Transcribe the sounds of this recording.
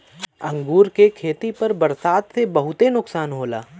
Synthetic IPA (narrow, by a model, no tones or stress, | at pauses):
ɐ̃ŋɡuːɾkekʰeːt̪ipɐɾbɐɾsaːd̪sebɐɦʊt̪enʊksaːnɦoːla̰ː